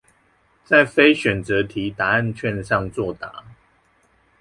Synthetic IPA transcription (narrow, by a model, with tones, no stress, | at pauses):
t͡sa˥˨˩ɪfe˦ɪɕɥɛ˨˩nt͡sə˨˦t̪ʰi˨˦t̪a˨˦a˥˨nt͡ɕʰɥɛ˥˨nʂɑ˥˧ŋt͡swɔ˥˨t̪a̰˨˦